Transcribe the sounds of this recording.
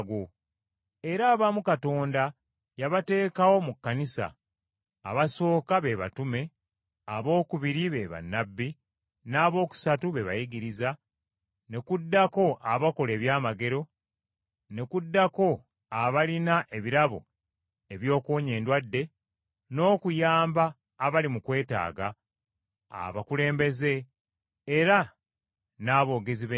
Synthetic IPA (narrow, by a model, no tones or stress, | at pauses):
ɡo | e̞ɾaːβamukato̞ːnda | jaβate̞ːkawo̞mukːanisa̰ː | βaso̞ːkaβe̞βa̰tume̞ | a̰βo̞ːkuβiɾiβe̞βa̰nːabːi | naːβo̞ːku̥satuβe̞βa̰jiɡiɾiza | ne̞kudːako̞ʔaβako̞le̞ːβjaːmaɡe̞ɾo̞ | ne̞kudːako̞ | aβalinaʔe̞βiɾaβo̰ | e̞βjo̞ːkoːɲe̞ːndwadːe̞ | no̞ːkujaːmbaː | βalimukwe̞ːta̰ːɡa̰ | a̰βakule̞ːmbe̞ze̞ː | ɾa | naːβo̞ːɡe̞ziβe